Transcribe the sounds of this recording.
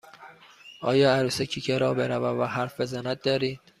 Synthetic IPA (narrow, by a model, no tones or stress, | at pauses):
ʔɒːjɒːæɾusecʰicʰeɾɒːbeɾævævæɦæɾfezænæt̪̚d̪ɒːɾiːd̪̥̚